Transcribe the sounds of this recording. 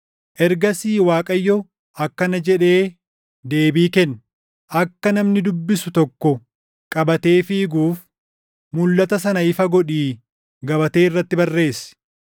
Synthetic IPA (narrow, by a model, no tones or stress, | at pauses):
ʔɛɾɡɐsiːwaːkʼɐjːɔ | ɐkːɐnɐd͡ʒɛᶑe̞ː | d̪e̞ːbiːkɛnː | ʔɐkːɐnɐmnɪd̪ʊbːɪsʊt̪ɔkːɔ | kʼɐbɐt̪e̞ːfɪɪɡuːf | mʊlːɐt̪ɐsɐnɐɪfɐɡɔᶑiː | ɡɐbɐt̪e̞ːɪrːɐt̪ːɪbɐrːe̞ːsɪ̥